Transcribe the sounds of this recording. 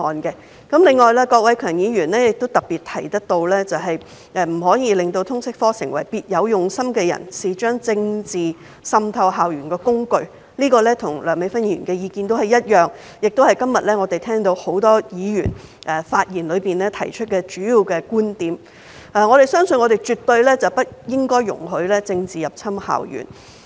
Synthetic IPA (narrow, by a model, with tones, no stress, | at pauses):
ɔː˨nkɛ˧ | kɐ˨˥mlɪ˨˧ŋːɔː˨jlɛː˥kɔː˧k̚wɐ˨˥jkʰœː˨˩ŋjiː˨˧jyː˨˩nɛː˥jɪ˨k̚t̪o˥wt̪ɐ˨k̚piː˨t̚t̪ʰɐ˨˩jt̪ɐ˥t̪o˧wlɛː˥t͡sɐ˨wɦɐ˨j | ʔɛː˨m̩˨˩ɦɔː˨˥jiː˨˧lɪ˨ŋt̪o˧wt̪ʰʊ˥ŋsɪ˥k̚fɔː˥sɪ̰˨˩ŋwɐ˨˩jpiː˧t̚jɐ˨˧wjʊ˨ŋsɐ˥mkɛː˧jɐ̰˨˩nsiː˨t͡ʃœː˥ŋt͡sɪ˧ŋt͡siː˨ | sɐ˧mt̪ʰɐ˧wɦaː˨wjyː˨˩nkɛː˧kʊ˥ŋkɵ˧ɥ | liː˥kɔː˧lɛː˥t̪ʰʊ˨˩ŋlœː˨˩ŋme˨˧˥fɐ˥njy̰ː˨˩nkɛː˧jiː˨˧kiː˧nt̪o˥whɐ˨˩jɐ˥t̚jœː˨˩ŋ | jɪ˨k̚t̪o˥whɐ˨jkɐ˥mjɐ˨t̚lɛː˥ŋɔː˨˧t̪e˨jt̪ʰɛː˥ŋt̪o˧who˨˥wt̪ɔː˥jiː˨˧jy̰ː˨˩nʔɛ˨˧faː˧t̚jiː˨˩nlɵ˨˧ɥpiː˨nlɛː˥t̪ʰɐ̰˨˩jt͡ʃʰɵ˥t̚kɛː˧t͡ʃyː˨˥jiː˨˧wkɛː˧kuː˥nt̪iː˨˥m | ɛː˨ŋɔː˨˧ɾe˨jsœː˥ŋsɵ˧nŋɔː˨˧t̪e˨jt͡ʃyː˨˩t̪ɵ˧ɥlɛː˥t͡sɐ˨wpɐ˥t̚jɪ˥ŋkɔː˥jːʊ̰˨˩ŋɦɵ˨˥lɛː˥t͡sɪ˧ŋt͡siː˨jɐ˨p̚t͡sʰɐ˥mha̰ː˨wjy̰ː˨˩n